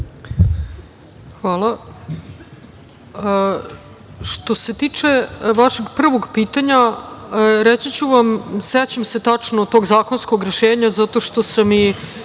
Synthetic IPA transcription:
xʋaːla | ʂt̪o̞se̞t̪iːt͡ʂeʋaʃeɡpr̩ʋo̞ɡpiːt̪aɲa | ɾet͡ɕit͡ɕuʋamset͡ɕemse̞t̪at͡ʂnot̪o̞ɡzaːkonsko̞ɡɾeʃeːɲazat̪o̞ʃt̪o̞sami

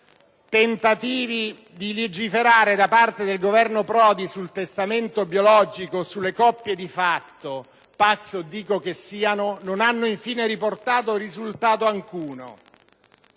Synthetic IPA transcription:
t̪ent̪at̪iːvi | d̪iled͡ʒifeɾaːɾed̪apart̪ed̪elɡovɛrnopɾɔːd̪isult̪est̪ament̪objolɔːd͡ʒikosulːekɔpːjed̪ifat̪ːo | pat̪sːod̪iːkokesːiːanononanːoiɱfiːneɾiport̪aːt̪̬orizult̪aːt̪oaŋkuːno̰

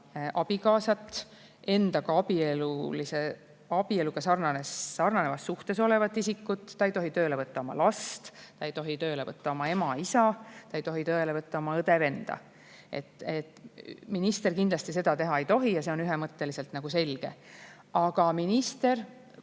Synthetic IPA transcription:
ʔɑb̥ikɑːsɑt̪ːˑ | e̞nd̪ɑkɑɑbielulise | ɑbie̞luɡ̥ɑsɑrnɑne̞sːɑrnɑne̞vɑsːuht̪e̞so̞le̞vɑt̪ːˑisikːut̪ːɑejt̪o̞ɦit̪øːle̞vɤt̪ːɑo̞mɑ̰lɑst̪t̪ɑejt̪o̞ɦit̪øːle̞vɤt̪ːˑɑo̞mɑe̞mɑisɑt̪ɑe̞jt̪o̞ɦit̪øelevɤt̪ːˑɑo̞mɑɤd̪eve̞nd̪̥ɑ̰ | e̞̰t̪et̪minist̪e̞rkind̪lɑst̪is̬e̞d̪ɑt̪e̞ɦɑe̞jt̪o̞ɦijɑse̞o̞nyɦemɤt̪ːe̞lise̞lt̪nɑɡ̥use̞lɡ̥e̞ | ɑɡ̥ɑminist̪e̞r

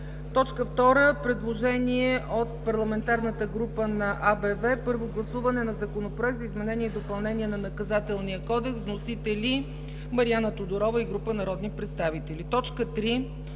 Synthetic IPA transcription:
t̪ɔt͡ʃkəft̪ɔɾəpɾɛd̪lˠoʒɛniɛʔot̪̚pɐɾlˠɐmɛnt̪aɾnət̪əɡɾupənɐʔabɛvɛpɤɾvoɡlˠɐsuvɐnɛnɐzɐkonopɾoɛk̚t̪zəizmɛnɛniɛd̪opɐlˠnɛniɛnɐnɐkɐzat̪ɛlˠnijəkɔd̪ɛksvnosit̪ɛli | mɐɾianət̪od̪oɾɔvəiɡɾupənɐɾɔd̪nipɾɛt̪st̪avit̪ɛlʲit̪ɔt͡ʃkət̪ɾi

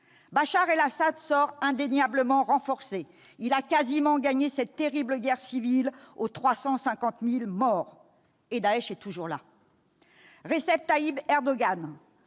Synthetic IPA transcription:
baʃaʁelasad̪sɔʁɛ̃d̪enjabləmɑ̃ʁɑ̃fɔʁse | ilakazimɑ̃ɡaɲesɛt̪ːeʁibləɡʲɛʁsivilot̪χwasɑ̃sɛ̃kɑ̃t̪milmɔːʁ | ed̪aɛʃɛt̪uʒuʁla̰ | ʁesɛp̚t̪aibɛʁd̪ɔɡan

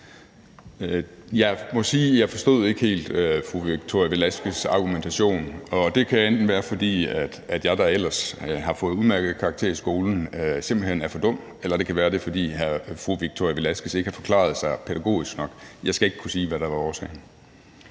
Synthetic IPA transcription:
jɑ̈ɪmɒ̽siːjɑ̈ɪfɒ̽sd̥ɔ̰ð̞ˠe̝ɡ̥əhe̝̰ːld̥øfʁuʋiɡ̥̚t͡sʰo̝jʋelæsɡ̥əsɑ̈ɡ̥ument͡sʰæɕo̝̰ːnɒ̽d̥e̝kʰæjend̥n̩ʋæːɐfɒ̽d̥ḭːæd̥æd̥jɑ̈ɪd̥ɑ̈el̰ɐsɦɑ̈fɔ̽ːð̩ˠuðˠmæɐɡ̥ð̩ˠkʰɑ̈ɡ̥̚t͡sʰe̝̰ɐ̰isɡ̥o̝ːln̩se̝m̰b̥l̩hen̰æɐfɒ̽d̥ɔ̽m̰̥ | elɐd̥e̝kʰæʋæːɐɾ̥e̝fɒ̽d̥ḭːɦæfʁuʋiɡ̥̚t͡sʰo̰jʋe̝læsɡ̥əse̝ɡ̥hɑ̈fɒ̥̽kʰlɑ̰̈ð̞̩ˠsɑ̈ɪpʰeɾ̥æɡ̥o̝̰ːisɡ̥nɒ̽ɡ̥jɑ̈ɪsɡ̥æe̝ɡ̥əkʰusiːʋæɾ̥ɑ̈ʋɑ̈ɒːsɛ̰ɪn

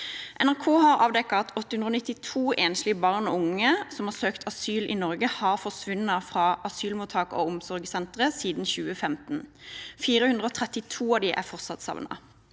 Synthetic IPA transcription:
ʔɛnæʁkʰoːhɑʁɑ̰ːʋd̪ɛkːɑɑt̪ʰɔt̪ːəhʉnd̪əoːnɪt̪ːɪt̪ʰuːʔeːnʃlɪəbɑʁnɔ̰ʊŋəsɔmhɑːʁsøːkt̪ʰɑsyːlʔḭnɔʁɡəhɑːʁfɔʁsʋʉnːɑfʁɑːɑsyːlmuːt̪ʰɑːko̰ːʊmsɔʁɡəsɛnt̪ʁəsiːd̪n̩çʉːəfɛmt̪n̩fiːʁəhʉnd̪ʁəoːt̪ʰʁɛt̪ɪt̪ʰuːɑʋd̪iʔæ̰ʁfɔʁt̪sɑt̪sɑ̰ʋnɑ̰

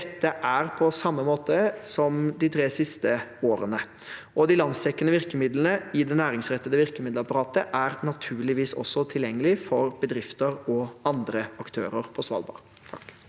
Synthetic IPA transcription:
ɛt̪ːəʔæɾpʰɔsɑmːəmoːt̪əsɔmd̪ɪt̪ʰɾeːsɪst̪əoːɾənə | ʔɔd̪ɪlɑnst̪ɛkːənəʋɪɾkəmɪd̪lənəɪd̪ɛnæːɾɪŋsɾɛt̪ːəd̪əʋɪɾkəmɪd̪lɑpɑɾɑːt̪əʔæɾnɑt̪ʰʉːɭɪʋiːsɔ̰sːɔt̪ʰɪljɛŋːəlɪfɔɾb̥əd̪ɾɪft̪əɾɔɑnd̪ɾəɑkt̪ʰø̰ːɾəɾpʰɔsʋɑ̰lbɑ̰ːʁ | t̪ʰ

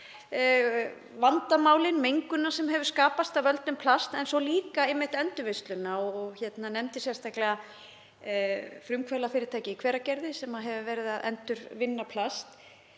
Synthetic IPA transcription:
vant̪amaːwlɪnmejŋkʏnːasɛmɦɛvʏɾ̥skaːpast̪avvœlt̪nʏmpʰlast̪ɛnsɔliːkaɪmːɪht̪ɛnt̪ʏvejst̪lʏnːaɔɣçɛt̪nanɛmt̪ɪsjɛst̪ahklɛɣa | fɾʏmkʰvɛlafɪːɾɪɾt̪ʰaːjcɪikʰv̥ɛːɾacɛɾðɪsɛmaɦɛvʏvɛːɾɪðaðʔɛ̰nt̪ʏɾvɪnːapʰlast̪

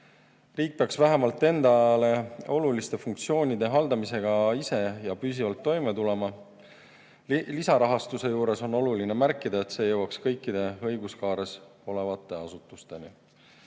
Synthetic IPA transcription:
riːk̚peɑksvæɦemɑlt̪ːˑe̞nd̪ɑle̞o̞lulist̪e̞fuŋkt̪sio̞ːnʲid̪̥e̞ɦɑld̪ɑmise̞ɡ̥ɑise̞jɑpys̬ivɑlt̪ːo̞jmet̪ule̞mɑ | lisɑɾɑɦɑst̪use̞juːɾe̞so̞no̞lulinemærkˑːid̪ɑe̞t̪se̞ːjɤwɑkskɤjkːid̪̥e̞ɤ̞jɡ̥uskɑːɾeso̞le̞vɑt̪ːˑe̞ɑsut̪ːˑust̪e̞ni

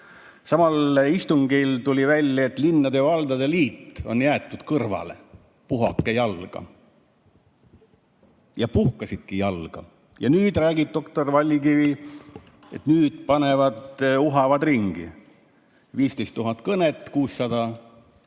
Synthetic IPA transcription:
sɑmɑlist̪uŋɡ̥ilt̪ulʲivælʲːɑet̪ːˑlinːɑd̪evɑld̪ɑd̪e̞liːt̪ːˑo̞̰njæːt̪ːˑud̪̥kɤrvɑ̰le̞̰ | puɦɑ̰kːˑejɑlɡ̥ɑ̰ | jɑpuhkɑsid̪̥kijɑlɡ̥ɑ̰ | jɑnyːd̪̥ræːɡ̥ib̥̚t̪o̞kt̪o̞rvɑlʲːkivi | et̪nyːd̪̥pɑnevɑd̪uɦɑvɑd̪riŋɡ̥ḭ | viːst̪ejst̪ːuɦɑt̪ˑkɤnet̪ːˑkuːsːɑd̪̥ɑ

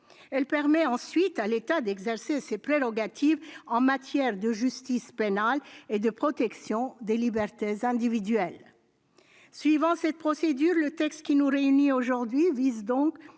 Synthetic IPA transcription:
ɛlpɛʁmɛɑ̃sɥit̪alet̪ad̪ɛɡzɛʁsesepχeʁɔɡat̪ʰivɑ̃mat̪jɛʁd̪əʒyst̪ispenaled̪əpχɔt̪ɛksjɔ̃d̪elibɛʁt̪ezɛ̃d̪ivid̪ɥɛl | sɥivɑ̃sɛt̪̚pχɔsed̪yʁlət̪ɛkst̪kʲinuʁeynioʒuʁd̪ɥivizd̪ɔ̃k

